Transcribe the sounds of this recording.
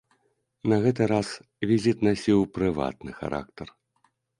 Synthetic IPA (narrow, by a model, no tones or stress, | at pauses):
nɐɣɛt̪ɨɾas | vʲizʲit̪nasʲiwpɾɨva̰t̪̚nɨxa̰ɾʔa̰k̚t̪ɐr